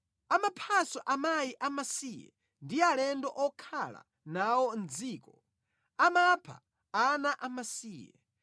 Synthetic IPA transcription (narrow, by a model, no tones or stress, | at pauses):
amapʰasɔʔamajiʔamasijɛ̰ | ndialɛndɔʔɔkʰala̰ | nawɔnd͡ziːkɔ | amapʰa̰ | anaʔamasiːjɛ̰